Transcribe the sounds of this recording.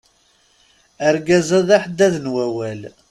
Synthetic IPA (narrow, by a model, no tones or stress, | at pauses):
əɾɡæzæðæħəd̪ːæðnwæwæl